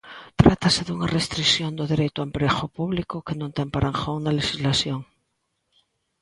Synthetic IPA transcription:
t̪ɾat̪ase̞ðeuŋarest̪ɾiksjo̞nd̪oðeɾejt̪oampɾexopuβlikokenõnt̪empaɾaŋxounalexizlasjoŋ

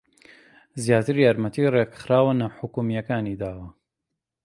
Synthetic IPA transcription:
zjaːt̪ɨɾjaːɾmɐt̪irekxɾaːwanaħʊkumijɐkaːniːd̪aːwɐ

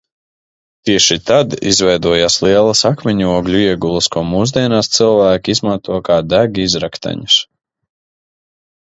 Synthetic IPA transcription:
t̪iɛʃit̪ad̪izvɛjd̪uɔjaːslˠiɛlˠɐsakmɛɲuɔɡʎʲuiɛɡulˠəskuɔmuːzd̪iɛnaːst̪sɨlˠvæːkʲiizmant̪uɔkaːd̪æɡiizɾakt̪ʰa̰ɲu̥s

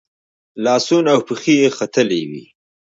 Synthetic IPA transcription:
lɑːsunawpəxijexat̪əlewḭ

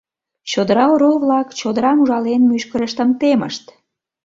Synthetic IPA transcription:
t͡ɕod̪əɾɑoɾoβlɑkt͡ɕod̪əɾɑmuʒɑlenmyʃkəɾəʃt̪əmt̪emə̰ʃt̪

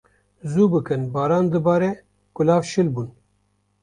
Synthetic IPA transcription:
zuːbɨkɨnbɑːɾɑːnd̪ɨbɑːɾɛ | kʊlɑːvʃɨlbuːn

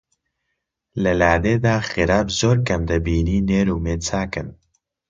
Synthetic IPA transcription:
lɛlaːd̪eːd̪aːxiɾaːbzoːɾkɐmd̪ɐbiːniːneːɾuːmeːt͡sʰaːkɨn

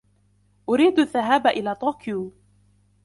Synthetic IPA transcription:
ʔʊɾiːd̪aðːaɦaːbaʔɪlaːt̪ˤoːkjuː

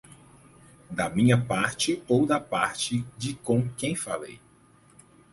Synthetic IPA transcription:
d̪ɐmĩɲɐpaɾt͡ʃɪowd̪ɐpaɾt͡ʃɪd͡ʒɪkõkẽj̃fa̰lḛj

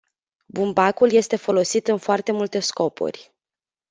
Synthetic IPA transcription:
bumbakulje̞st̪e̞fo̞lo̞sit̪ɨnfoart̪e̞mult̪e̞sko̞pṵrʲ

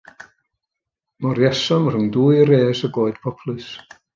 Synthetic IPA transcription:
mɔɾjɛsɔmr̥əŋduːjɾeːsəɡoːɨd̥pʰɔpʰlˠɨs

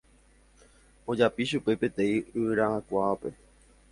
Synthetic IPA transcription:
o̞d͡ʒapiʃupe̞pe̞t̪ẽ̞ĩɨɨɾaãkʷaape̞

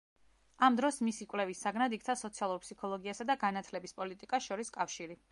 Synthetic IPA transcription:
amd̪ɾɔsmisikʼwlɛvisaɡnad̪ikʰt̪sʰasɔt̪sʰialˠuɾpʰsikʰɔlˠɔɡiasad̪aɡanat̪ʰlɛbispʼɔlit̪ʼikʼasʃɔɾiskʼafʃiɾi

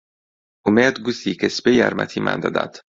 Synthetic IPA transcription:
umed̪ɡusiːkʰespejæɾmæ̰t̪ʰiːmʔæ̰nd̪ɒ̰d̪æ̰d̪̥

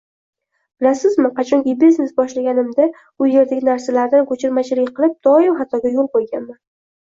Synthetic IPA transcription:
b̥ɪlasɪzmɪqʰɑt͡ʃʰɒŋkʲibesɪzbɒʃlaɡʲanɪmd̪a | ʊje̞ɾd̪aɡʲɪnaɾsalaɾd̪ankʰot͡ʃʰɪɾmat͡ʃʰɪlɪkʲqʰɨlˠɪp̚d̪̥ɒɪmχat̪ʰɒɡʲajolˠqojˠɡʲanman

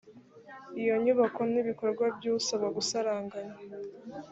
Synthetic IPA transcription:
ijo̞ɲuβako̞niβiko̞ɾɡwabɟusaβaɡusaɾaːŋɡaɲa

